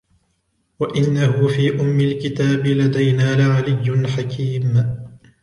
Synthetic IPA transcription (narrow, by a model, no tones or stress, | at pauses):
waʔɪnːahʊfiːʔʊmːɪlkɪt̪aːbɪlad̪ajnaːlaʕalɪjːʊnħakʰiːm